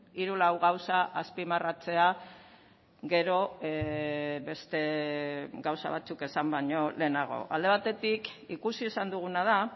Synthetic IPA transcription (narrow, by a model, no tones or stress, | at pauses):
iɾulawɣawsaʔaspimarat͡se̞a | ɡe̞ɾo̞ | be̞st̪e̞ | ɡawsa̰βa̰t͡suke̞sambaɲo̞le̞ːnaɣ̞o̞̰ʔa̰ld̪e̞β̞at̪e̞t̪ikikusie̞sand̪uɣ̞unað̞a